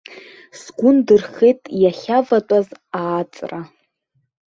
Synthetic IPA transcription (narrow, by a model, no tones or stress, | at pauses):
sɡʷʊndɨrχejtʼjaχʲavatʷʼazaːt͡sʼra